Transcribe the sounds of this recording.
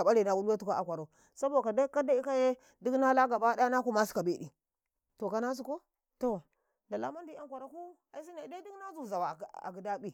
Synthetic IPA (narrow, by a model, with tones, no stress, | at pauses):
a˨ɓa˦li˨na˨wu˦la˦tu˦ka˦a̰˨kʷa˨ɾo˨ | sa˦bo˦˨ka˨da˦ka˦da˦i˦ka˦je˦ | di˦kna˦la˦ɡa˨ba˦da˦na˦ku˦ma˦si̥˨ka˨be˦˨ɗḭ˨ | to˨ka˦na˦s̬u˨ko˦ | to˨ | da˨la̰˦ma˦ndi˦a˦ŋkʷa˨ɾa˨ku˦ | a˨i˦s̬i˦na˨da˦di˦kna˦zu˦˨za˨wa˨a̰˨ɡi˨da˦bi˦